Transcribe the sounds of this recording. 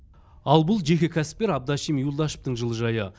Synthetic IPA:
ɑlˠbʊlˠʒe̞kʲɪkʲʰæsɪ̥p̚t̪ʲe̞ɾɑb̚d̪ɑʃijmjulˠd̪ɑʃə̥p̚t̪əɴʒəlˠəʒɑjə

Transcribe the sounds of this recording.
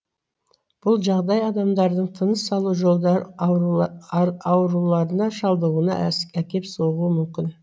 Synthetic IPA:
b̥ʊlˠʒɑʁd̪ɑjɑd̪ɑmd̪ɑɾd̪əɴt̪ʰənəsːɑlˠuʒolˠ | ɑwɾulˠɑɾənɑʃɑlˠd̪əʁuənɑ̰ækʲe̞psoʁuəmʏmkʲɪn

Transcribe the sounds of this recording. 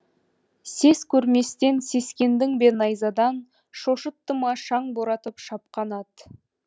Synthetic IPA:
se̞skʲʰɵɾme̞st̪e̞nse̞skʲe̞nd̪ɪŋbe̞nɑjzɑd̪ɑn | ʃo̞ʃət̪ːəmɑʃɑɴboɾɑt̪əpʃɑpqɑnɑt̪

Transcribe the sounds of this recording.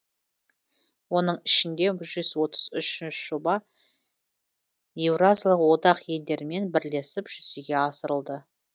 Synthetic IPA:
wo̞nəɴɪʃɪnd̪e̞ʒʏzwo̞t̪ʰəz̥ʏʃɪnʃʒ̥obɑ | jevrazlˠəqwo̞d̪ɑqje̞ld̪e̞ɾɪme̞nbɪɾle̞sɪpʒ̥ʏseɡʲe̞ɑsəɾəlˠd̪ə

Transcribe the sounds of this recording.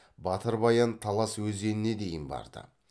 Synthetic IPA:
bɑt̪əɾbɑjɑnt̪ʰɑlˠɑswɵze̞nɪne̞d̪e̞jɪnbɑ̰ɾd̪ə̰

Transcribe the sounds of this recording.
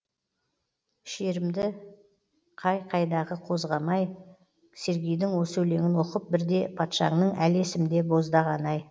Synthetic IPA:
ʃe̞ɾɪmd̪ɪ | qʰɑjqʰɑjd̪ɑʁəqʰo̞zʁɑmɑj | se̞ɾɡʲijd̪ɪŋwo̞sɵwle̞ŋɪnwo̞qəp̚bɪɾd̪e̞pʰɑt̪ʃɑ̰ŋnəɴæle̞sɪmd̪e̞bo̞zd̪ɑʁɑnɑj

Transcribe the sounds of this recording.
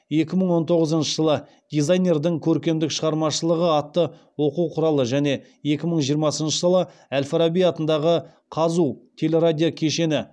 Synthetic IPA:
je̞kʲɪməɴwo̞nt̪ʰo̞ʁəzənʃəʒəlˠə | d̪̥ʲijzajnʲe̞rd̪ɪŋkʲʰɵɾkʲe̞md̪ɪkʃəʁɑɾmɑʃəlˠəʁəɑt̪ːə | wo̞quwqʰʊɾɑlˠəʒæne̞ | je̞kʲɪməɴʒijəɾmɑsənʃəʒəlˠəælfaɾabijɑt̪ənd̪ɑʁə | qʰɑzut̪ʲʰe̞le̞ɾad̪ʲijokʲʰe̞ʃe̞nɪ

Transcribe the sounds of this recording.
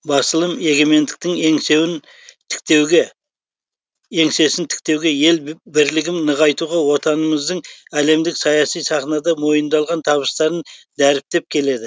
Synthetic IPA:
bɑsəlˠəme̞ɡʲe̞me̞nd̪ɪk̚t̪ɪŋeŋsewɪn | t̪ʰɪ̥kt̪ewɡʲe | e̞ŋse̞sɪnt̪ʰɪ̥k̚t̪e̞wɡʲe̞je̞lbɪɾlɪɡʲɪmnəʁɑjt̪uʁɑwo̞t̪ɑnəməzd̪əɴæle̞md̪ɪksɑjɑsijsɑχnɑd̪ɑmo̞jənd̪ɑlˠʁɑnt̪ʰɑβəst̪ɑɾənd̪æɾɪp̚t̪e̞p̚kʲʰe̞le̞d̪ɪ

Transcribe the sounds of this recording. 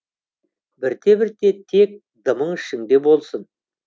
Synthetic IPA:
bɪɾt̪ʰe̞bɪɾt̪e̞t̪ʰe̞k̚ | d̪əməɴɪʃɪŋd̪e̞bo̞lˠsən

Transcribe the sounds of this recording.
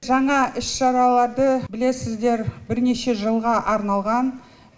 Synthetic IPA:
ʒɑɴɑʔɪʃʃɑɾɑlˠɑɾd̪əbɪle̞sɪzd̪e̞ɾbɪɾne̞ʃe̞ʒəlˠʁɑʔɑɾnɑlˠʁɑn

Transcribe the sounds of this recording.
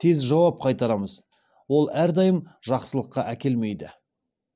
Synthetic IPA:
t̪ʰe̞zʒɑwɑp̚qʰɑjt̪ɑɾɑməz | wo̞lˠæɾd̪ɑjəmʒɑqsəlˠəqːɑʔækʲe̞lme̞jd̪ɪ

